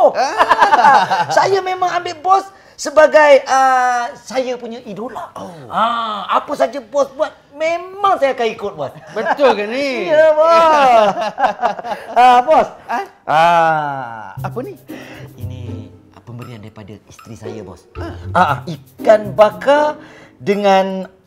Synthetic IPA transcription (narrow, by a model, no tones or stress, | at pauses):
sajamemãŋambɪʔbɔs | səbaɡajəsajapuɲaʔiduʔlahaapəsad͡ʒabɔsbuat̪̚memãŋsajaakanikʊt̪̚buasbət̪ʊlkaniɲlabɔ | abɔs | a | apəniini | pəmbəɾiandaɾipada̰ist̪ɾisa̰ja̰bɔ̰sʔaa̰ikanbakadəŋan